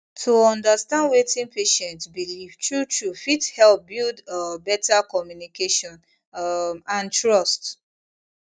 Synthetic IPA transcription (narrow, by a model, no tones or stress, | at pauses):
tʰuɔ̃ndastãndwetĩnpeʃɛ̃ntbilivtɹutɹufithɛlp̚bildbɛtakɔmjunikeʃɔ̃n | ãntɹɔst